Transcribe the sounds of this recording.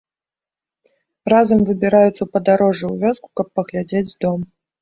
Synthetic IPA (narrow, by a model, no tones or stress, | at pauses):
razɐmvɨbʲiɾajut̪sɐwpɐd̪aɾɔʐɨwvʲɔsku̥kɐpːɐɣlʲad͡zʲed͡zʲzd̪ɔm